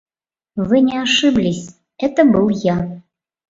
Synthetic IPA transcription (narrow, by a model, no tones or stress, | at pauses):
vɨnʲɛaʂɨblʲisʲ | ɛt̪əbɨlˠja